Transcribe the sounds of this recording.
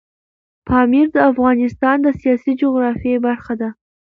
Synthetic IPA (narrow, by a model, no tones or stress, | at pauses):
pʰɑmiɾd̪əafɣɑnɪst̪ɑnd̪əsijɑsid͡ʒoɣɾɑfjebaɾxad̪a